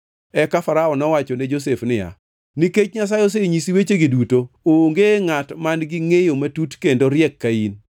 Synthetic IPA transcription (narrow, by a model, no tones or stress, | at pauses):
ɛkafaɾaɔnɔwat͡ʃɔned͡ʒos̬efnɪja̰ | niket͡ʃɲas̬ajos̬eɲisiwet͡ʃeɡidutooŋɡeŋatmanɡɪŋejomatutkendoɾjɛkːain